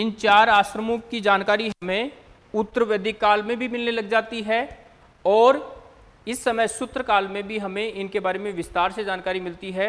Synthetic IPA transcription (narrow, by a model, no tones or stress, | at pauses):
ɪnt͡ʃaːɾaːʃɾəmõkːid͡ʒaːnkaːɾiɦɐmẽ | ʊt̪ːəɾəʋed̪ʱikaːlmẽbʱimɪlnelɐɡd͡ʒaːt̪iɦɛː | ɔːɾ | ɪsːɐməjsʊt̪ɾəkaːlmẽbʱiɦɐmẽʔɪnkebaːɾemẽʋɪst̪aːɾsed͡ʒaːnkaːɾimɪlt̪iɦɛː